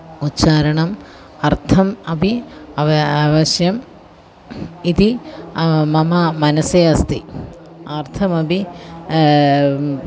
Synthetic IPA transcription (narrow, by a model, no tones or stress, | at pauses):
utːɕaːɾɐɳɐm | ɐrt̪ʰɐmɐbʱiɐʋɐʋɐɕjɐm | it̪i | mɐmɐmɐnɐseɐst̪i | ɐrt̪ʰɐmɐbʱi